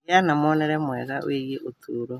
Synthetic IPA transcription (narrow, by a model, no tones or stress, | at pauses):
janamɔnɛɾɛmwɛɣaw̰eɣeʔotʰuːɾo